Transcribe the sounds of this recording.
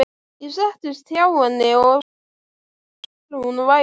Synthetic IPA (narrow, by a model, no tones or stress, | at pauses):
isɛht̪ʏst̪ʰjawanːɪɔ | lhunva